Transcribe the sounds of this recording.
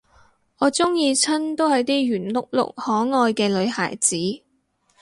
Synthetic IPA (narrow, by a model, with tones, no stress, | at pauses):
ɔː˨˧t͡sʊ˥ŋjiː˧t͡sʰɐ˥nt̪o˥whɐ˨˧jt̪iː˥jyː˨˩nlʊ̰˨k̚lʊ̰˨k̚hɔː˨˥ŋɔː˧jkɛː˧lɵ˨˧ɥha̰ː˨˩jt͡siː˨˥